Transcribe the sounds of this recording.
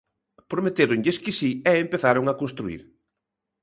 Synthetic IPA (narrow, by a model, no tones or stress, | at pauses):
pɾomet̪eɾʊŋʎeskɪsiɛempeθaɾʊŋakonst̪ɾuḭɾ